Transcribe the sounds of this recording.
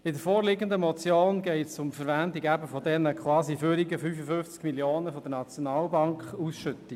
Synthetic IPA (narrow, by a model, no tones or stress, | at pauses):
ɪdəɾfoːɾlɪɡəndəmɔt͡sjoːnɡɛɪtsʊmfəɾvændiɡæbəfɔdɛnəkχwɑːsifyɾiɡəfyːfəfʏnft͡skmiljoːnəfɔd̥ənɑt͡sjɔnɑːlbɑŋkχusʃʏt̪i